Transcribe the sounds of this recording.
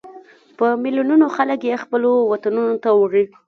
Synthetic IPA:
pəmɪljununoxaləkjexpəlowat̪anunot̪awəɾi

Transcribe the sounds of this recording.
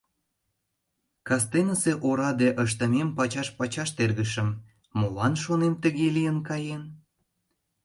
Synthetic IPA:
kɑs̬t̪enəseʔoɾɑd̪eʔəʃ̬t̪əmempɑt͡ɕɑʃpɑt͡ɕɑʃt̪erɣəʃə̆mː | olɑnʃonemt̪əɣelijənkɑjen

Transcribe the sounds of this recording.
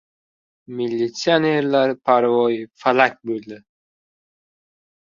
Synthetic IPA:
milʲːit̪sɨaneɾlaɾpʰaɾvɒjfalak̚ʲbɵlˠd̪ɪ

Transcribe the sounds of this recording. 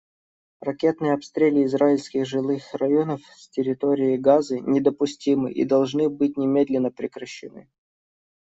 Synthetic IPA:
rɐkʲe̞t̪nɨjəɐpst̪ɾʲelʲɪːzraɪlʲsʲkʲɪxʐɨlˠɨxrɐjo̞nəfsʲtʲɪɾʲɪt̪o̞ɾʲɪɪɡazɨnʲɪd̪əpʊsʲtʲimɨ̰ʔḭd̪ɐlˠʐnɨbɨt̚ʲnʲɪmʲe̞d̪lʲɪnːəpɾʲɪkɾəɕːɪ̰nɨ̰

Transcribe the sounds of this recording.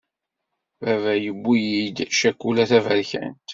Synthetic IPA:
vævæjəbːijid̪ʃækːulæθævælçæ̰nt̪

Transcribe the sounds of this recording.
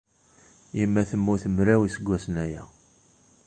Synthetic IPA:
jimːæθəmːuθəmɾæwisəɡʷːæsnæjæ

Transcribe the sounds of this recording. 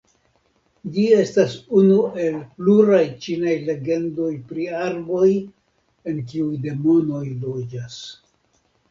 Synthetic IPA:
d͡ʒie̞stasunue̞lpluɾajt͡ʃinajle̞ɡe̞ndo̞jpɾiaɾbo̞j | e̞nk̬iujde̞mo̞no̞jlo̞d͡ʒas

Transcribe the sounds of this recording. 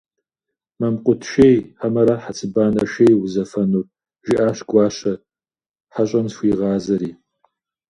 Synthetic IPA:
mɐmqʷʼʊtʰʃejħamɐɾɐħat͡sʼɨbaːnɐʃejwʊzɐfɐnur | ʒɪʔaːɕɡʷɑːɕɐ | ħaɕʼɐmsxʷiːʁɑːzɐɾiː

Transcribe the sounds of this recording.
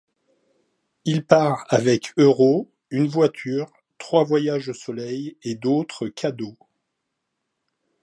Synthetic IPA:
ilpaʁavɛkʰøʁo | ynvwat̪ʰyːʁ | t̪χwavwajaʒosɔlɛjed̪ot̪χəkʲʰad̪o

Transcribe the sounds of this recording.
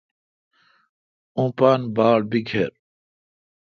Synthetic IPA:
ũːpaːnbaːlbiɡʱeɾ

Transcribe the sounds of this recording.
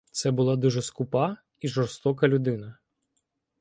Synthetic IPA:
t̪sɛbʊlˠɑd̪uʒɛskʊpɑ | iʒɔrst̪ɔkɐlʲʊd̪ɪnɐ

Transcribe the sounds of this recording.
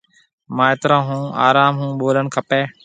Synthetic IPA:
mãːeːt̪ɾãːɦũːa̰ːɾaːmɦũːɓoːləɳkʰəpeː

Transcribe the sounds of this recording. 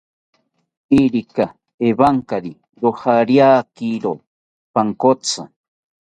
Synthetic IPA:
iɾika | eβaŋkaɾi | ɾohaɾjaːkiɾo | paŋkot͡sa̰

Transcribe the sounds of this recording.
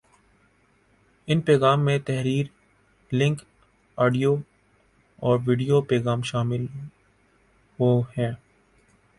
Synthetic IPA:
ɪnpɛːɣaːmːẽt̪ɛɦɾiːɾ | lɪ̃ŋk | aːɖijo | ɔːɾʋiːɖijopɛːɣaːmʃaːmɪl | ɦohɛ̃ː

